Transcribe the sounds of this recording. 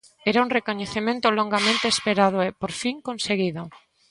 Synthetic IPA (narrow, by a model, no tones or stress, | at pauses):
ɛɾauŋrekoɲeθemẽnt̪ʊloŋɡamẽnt̪eːspeɾað̞ʊepoɾfiŋkõnseɣiðo